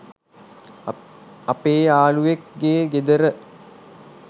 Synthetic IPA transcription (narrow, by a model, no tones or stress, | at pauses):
apeːaːluʋek̚ɡeːɡed̪əɾə